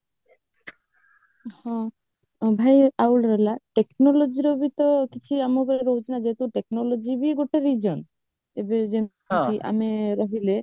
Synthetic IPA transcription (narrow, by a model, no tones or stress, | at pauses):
hɔ̃ | bʱajawlɾɔlaʈeknɔlod͡ʒiɾɔbit̪ɔkit͡ʃʰiamɔkeeɾɔɦut͡ʃʰinad͡ʒet̪uʈeknɔlod͡ʒibiɡoʈeɾid͡ʒɔn | ebed͡ʒekiʔa̰meɾɔɦile